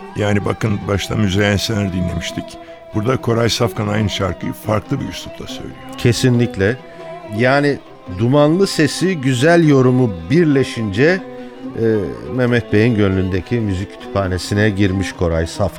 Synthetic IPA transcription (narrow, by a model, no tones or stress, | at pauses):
jaːniba̰kɯnbaʃt̪amyzejænselʲæɾd̪inlʲe̞miʃt̪ʰic | b̥uɾd̪akʰo̞ɾajsafkʰanajnɯʃaɾkʰɯ̰faɾklˠɯbḭusu̥plˠa̰sø̞̰jlʲijocʰe̞sinlʲiclʲɛ | jaːni | d̪umanlˠɯse̞siɟyzælʲjo̞ɾumubiɾlʲe̞ʃind͡ʒɛ | mɛmɛt̪̚be̞jinɟønlʲynd̪ecʰimyzic̚ʰːy̥t̪ʰy̥pʰaːne̞sinɛɟiɾmiʃkʰo̞ɾajsafka